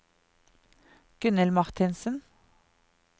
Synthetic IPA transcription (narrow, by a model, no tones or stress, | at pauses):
ɡ̥ʉnəlmɑʁt̪ʰɪnsən̩